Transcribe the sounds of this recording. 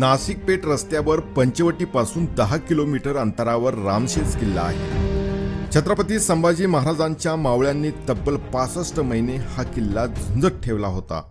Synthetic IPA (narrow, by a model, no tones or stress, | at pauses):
nasik̚peʈɾəst̪jaʋəɾpəɲt͡ɕəʋəʈiːpasuːnd̪əɦakilomiʈəɾənt̪əɾaʋəɾːamɕent͡skilːa̰ːɦḛ | t͡ɕʰət̪ɾəpət̪iːsəmbad͡ʑiːməɦaɾad͡zaɲt͡ɕjamaʋɭjanːiːt̪əbːəlpat͡səsʈəməɦinehakilːad͡zʱund͡zəɾʈʰeʋlaɦot̪a̰